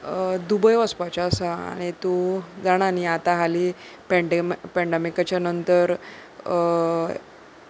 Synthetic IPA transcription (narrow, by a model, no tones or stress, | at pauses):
d̪ubəjʋəspat͡ɕaːsaa̰ɽ̃it̪ud͡zaɽ̃aniat̪aɦaliː | pɛɳɖempɛɳɖemikat͡ɕjanənt̪əɾ